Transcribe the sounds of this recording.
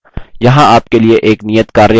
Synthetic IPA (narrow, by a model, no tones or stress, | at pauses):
jɐɦãaːpkelieʔeːknijət̪kaːɾe